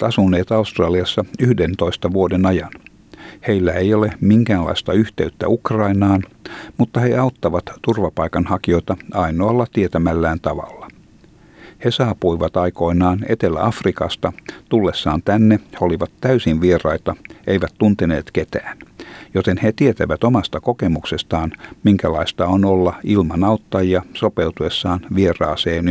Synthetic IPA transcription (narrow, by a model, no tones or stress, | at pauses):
t̪ɑsunːeːt̪ɑust̪rɑːliɑsːɑyhdent̪o̞ist̪ɑʋuodenɑjɑn | he̞ilːæejolemiŋkæːnlɑ̰ist̪ɑyht̪e̞yt̪ːæ̰ukrɑinɑːnmut̪ːɑheɑut̪ːɑʋɑt̪t̪urʋɑpɑikɑnhɑkio̞it̪ɑɑinoɑlːɑt̪iet̪æmælːæːnt̪ɑʋɑ̰lːɑ | hesɑːpuiʋɑt̪ɑiko̞inɑːne̞t̪elːæ̰ʔɑfrikɑst̪ɑt̪ulːesːɑːnt̪ænːeheoliʋɑt̪tæysinʋierɑit̪ɑe̞iʋæt̪t̪unt̪enḛːt̪ket̪æːnjot̪enhet̪iet̪æʋæt̪omɑst̪ɑko̞kemuksest̪ɑːnmiŋkælɑist̪ɑonolːɑilmɑnɑwt̪ːɑjiɑso̞pewt̪ue̞sːɑːnʋierɑːseːn